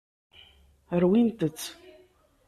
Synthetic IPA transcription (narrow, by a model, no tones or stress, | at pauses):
əɾwint̪ət͡sː